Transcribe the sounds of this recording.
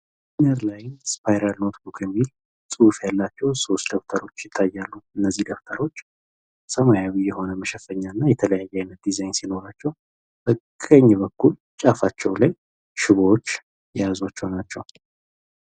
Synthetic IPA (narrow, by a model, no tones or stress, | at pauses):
nəɾlajnspʰajɾalno̞t̪bukʰjɛmːil | t͡sʼɨfjalːat͡ʃːɛwso̞st̪d̪əft̪ʰəɾo̞t͡ʃːjɪt̪ʰːajːalːuɨnːəzːihd̪əft̪ʰəɾo̞t͡ʃː | səmajawijːɛho̞nəməʃɛfəɲːanːajɛt̪ʰələjajːajnət̪̚d̪izajnsino̞ɾat͡ʃːɛw | bəkʼːəɲːbəkːul | t͡ʃʼafat͡ʃːɛwlaj | ʃɪβoot͡ʃː | jɛjazwat͡ʃːɛwnat͡ʃːɛw